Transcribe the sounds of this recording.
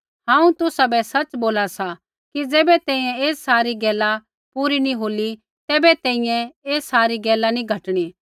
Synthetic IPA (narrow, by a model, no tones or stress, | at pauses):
ɦãːũt̪ʊsabɛsɐt͡ʃboːlasa | kid͡zɛːbɛt̪ɛ̃ːĩjɛ̃eːssaːɾiɡɛːla | puːɾinĩɦoːli | t̪ɛːbɛt̪ɛ̃ːĩjɛ̃eːsaːɾiɡɛːlanĩɡʱɐʈɽ̃i